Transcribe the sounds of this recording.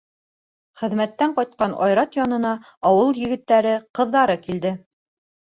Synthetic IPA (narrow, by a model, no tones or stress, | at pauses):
χɘ̆ðmæt̪ːæɴqɑjt̪̚qɑnɑ̰jɾɑt̪jɑnɤ̆nɑ | ɑwɤlˠjɘ̆ɡɘ̆t̪ːæɾɘqɤ̆ðːɑɾɤkild̪ɘ